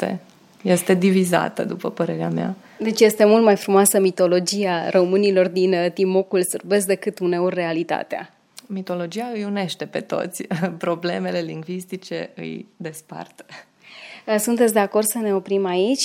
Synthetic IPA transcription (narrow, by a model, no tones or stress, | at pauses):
t̪ḛ | je̞st̪e̞d̪iviza̰t̪ə̰d̪upəpəɾe̞ɾeamea̰ | d̪e̞t͡ʃʲje̞st̪e̞mult̪majfɾumoasəmit̪o̞lo̞d͡ʒiaromɨnilo̞rd̪int̪imokulsɨrbes̬d̪e̞kɨt̪une̞orːe̞alit̪a̰t̪ea̰ | mit̪o̞lo̞d͡ʒijaɨjune̞ʃt̪e̞pe̞̰t̪o̞̰t̪sʲpɾo̞ble̞me̞le̞liŋɡvist̪it͡ʃe̞̰ɨ̰jd̪e̞spa̰rt̪ə̥ | sunt̪et̪sʲd̪e̞ako̞rd̪səne̞o̞pɾimait͡ʃʲ